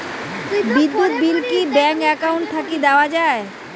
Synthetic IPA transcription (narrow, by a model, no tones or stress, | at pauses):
bid̪ːut̪̚bilkibɛŋkɛkauɳʈ̚t̪ʰakid̪ɛoad͡ʑae